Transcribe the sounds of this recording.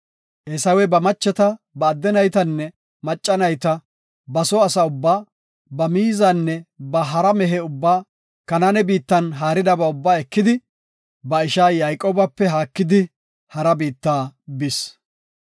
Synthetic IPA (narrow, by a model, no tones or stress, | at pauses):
ʔɛsɐwɛbɐmɐt͡ʃːɛt̪ɐ | bɐːd̪ːɛnɐjt̪ɐnːɛ | mɐt͡ʃʼːɐnɐjt̪ɐ | bɐsɔɐsɐʊbːaː | bɐmiːzɐnːɛbɐɦɐɾɐmɛɦɛʊbːaː | kɐnɐnɛbiːt̪ːɐnɦaːɾɪd̪ɐbɐʊbːaːɛkːɪd̪ɪ | bɐɪʃaːjajkʼoːbɐpːɛɦaːkːɪd̪ɪ | hɐɾɐbiːt̪ːaːbɪs